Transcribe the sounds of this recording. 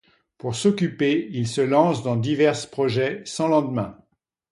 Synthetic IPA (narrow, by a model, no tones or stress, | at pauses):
puʁsɔkʲypeilsəlɑ̃sd̪ɑ̃d̪ivɛʁspχɔʒɛsɑ̃lɑ̃d̪mɛ̃